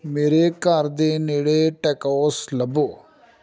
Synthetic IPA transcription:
meːɾekaːɾd̪eːneːɽeʈɛːkaslɐboː

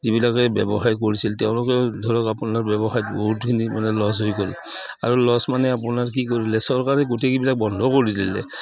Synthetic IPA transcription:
zibilakɛbɛ̰bɔxaɹk̬oɹisiltɛʊ̃lɔkɛdʱɔɹɔkapunaɹbjɛbɔxajtbɔɦutkʰinimanɛlɔs̬ɦojkɔl | a̰ɹulɔsmanɛapunaɹk̬ikoɹilɛsɔɹkaɹɛɡotekibilak̚bɔndʱɔkoɹidḭlɛ̰

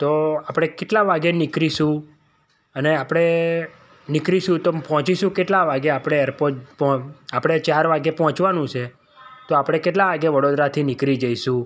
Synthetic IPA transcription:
t̪oapɽ̃ekeʈlaʋaɡenɪkɾiʃũ | əneapɽ̃e | nɪkɾiʃũt̪opɔɦɔ̃t͡ʃiʃũkeʈlaʋaɡeapɽ̃eɛɾpotpɔapɽ̃et͡ʃaɾʋaɡepɔɦɔ̃t͡ʃʋanũt͡ʃʰe | t̪oapɽ̃ekeʈ̬laʋaɡeʋəɽod̪ɾat̪ʰinɪkɾid͡ʒəiʃũ

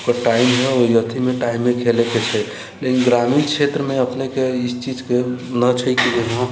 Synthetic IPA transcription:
kəʈaimɦɛojət̪ʰimeʈaimːekʰeleket͡ʃʰəj | lekinɡɾaminkt͡ʃʰet̪ɾəmeəpnekeist͡ʃid͡ʒkenət͡ʃʰəjkileɦɦə̃

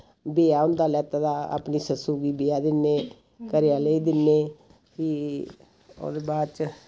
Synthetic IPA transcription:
beːaːʊ̃nd̪aːlɛːt̪aːd̪aːa̰ːpniːsəsuːɡiːbeːaːd̪ɪnːeː | kəɾɪjaːleiːd̪ɪnːeː | kiː | o̰ːd̪eːbaːdt͡ʃ

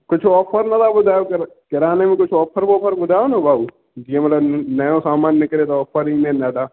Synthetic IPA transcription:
kʊt͡ʃʰɔːpʰəɾnɐt̪ʰabʊd̪ʱaːjokɾkɪɾaːnemẽkʊt͡ʃʰɔːpʰəɾbɔːpʰəɾbʊd̪ʱaːonɐbʱaːu | d͡ʒiemɐt̪ləbnɐjõsaːmaːnjəkɐɾẽt̪oɔːpʰəɾɦinẽnɐʈ̪aː

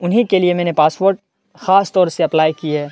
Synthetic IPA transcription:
ʊnɦikeliemɛ̃ːnepaːsʋoːɾʈ | xaːst̪ɔːɾseɐplaːikiɦɛː

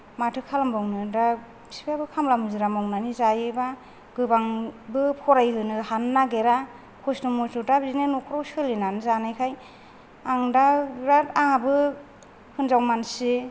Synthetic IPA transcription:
matʰɯkʰalambawnɯda | si̥pʰiabɯkʰamlamɯzɯɾamawnanizajɯba | ɡɯbaŋbɯpʰɔɾajlɯnɯhanːaɡeɾa | kʰosnɯmɔtudabzinenɔkʰɾawsɯlenanɯzanajkʰaj | aŋdaɾataŋabɯ | hʰɯnzawmansi

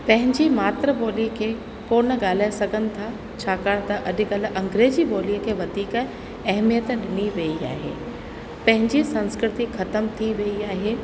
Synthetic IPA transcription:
pɐ̃ɦɪ̃ɲd͡ʑimaːt̪ɾəɓoːlikʰeː | koːnə̆ɠaːl̤aːesɐɡʱənɪ̆t̪ʰa | t͡ɕʰaːkaːɽ̃t̪ɐʔɐɗɪ̆kɐl̆ʔɐ̃ŋɡɾeːd͡ʑiɓoːliəkʰeːʋɐd̪ʱiːk | ɐɦmijət̪ɗɪniʋɐia̰ːɦḛː | pɐ̃ɦɪ̃ɲd͡ʑisɐ̃nskɾɪt̪ixɐt̪əmt̪ʰiʋɐiaːɦeː

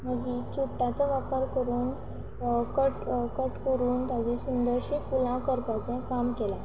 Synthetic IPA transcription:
məɡiːt͡suʈːat͡saʋapəɾkəɾuːn | kəʈkəʈkəɾuːnt̪ad͡ʑesund̪əɾɕipulãkəɾpat͡sɛ̃kamkela

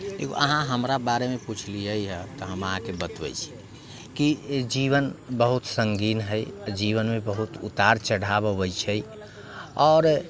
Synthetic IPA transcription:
lḛko̰ʔə̰ɦãɦəmɾabaɾemeput͡ʃʰliəjɦəbt̪ɔɦəməɦãkebət̪bɛ̰jt͡ʃʰi̥ | kid͡ʒiβənbəɦut̪səŋɡinɦəjd͡ʒiβənmebəɦut̪ṵt̪aɾt͡ʃəɽ̤abəbəjt͡ʃʰɛj | ɔːɾ

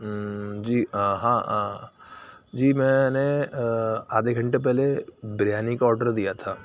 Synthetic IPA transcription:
d͡ʒiːɦãː | d͡ʒiːmɛ̃ːne | aːd̪eɡʱɐ̃ɳʈep̬ɛɦlebɾjaːnɪkɔːɾɖəɾd̪ijat̪ʰaː

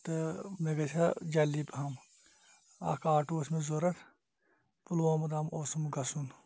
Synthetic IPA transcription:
t̪ɐmeɡɐt͡ʃʲʰad͡ʒɐlːibɦɐm | ɐ̰kaːʈusmezoɾɐt̪ʰ | pulwoːmɐd̪amosɐmɡɐsun

